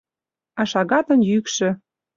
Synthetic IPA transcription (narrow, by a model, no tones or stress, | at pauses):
ɑʃɑɣɑt̪ə̆njykʃɘ̆